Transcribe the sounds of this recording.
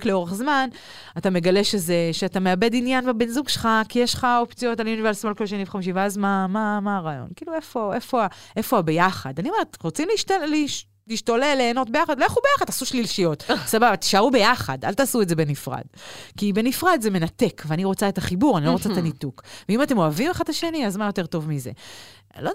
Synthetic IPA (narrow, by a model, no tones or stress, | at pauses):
kleo̞ʁeχzman | atame̞ɡaleʃe̞zeʃeatame̞abe̞dinjanvabenzuɡʃelχakijeʃχaopt͡sijo̞taljunivesimolkolʃeniveχamiʃ̬iveazmamamaːʁaːjo̞̰nkiːluefo̞e̞fo̞aʔe̞foabe̞jaχadaniomeʁtʁot͡simliʃtli | liʃt̪olelːeːno̞t̚bejaχad̪leχubejaχadtasuʃlilʃijo̞t̪sababat̪i̥ʃaʁube̞jaχa̰da̰lt̪aːsuetzebenifʁa̰d̪kibe̞nifʁad̪zeme̞nat̪ekveaniʁo̞t͡saet̪aχibuʁanilo̞ot͡saet̪anit̪ukveimate̞mo̞avimeχat̪aʃe̞niazmajo̞te̞ʁt̪o̞vmizḛ | lo